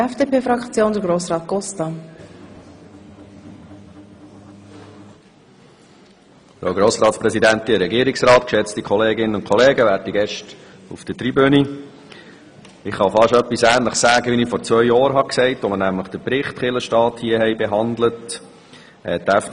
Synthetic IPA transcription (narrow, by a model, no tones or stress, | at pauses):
ɛfd̥eːpeːfɾɑkt͡sjoːnd̪əɾɡɾoːsɾɑːt̪̚ɡ̥ɔstɑ | fɾoʊɡɾoːsɾɑːt̪spɾɛsidænt̪iəɾɛɡiəɾɪksɾɑːt̪kʃɛt͡st̪ikʰɔleːɡɪnənʊnkʰɔleːɡəʋæːrtiɡɛʃt | ufd̥ətɾibøni | ɪχːɑfɑʃœpːisæːnləχsæːɡ̥əʋinifɔɾt͡svœʏjɑːɾɦɑksɛɪtʋɔmənæmləχd̥əpɾɪχt̪χɪləʃtɑːt̪hiəhɛjbɛɦɑndlət | ɛt̪ɛf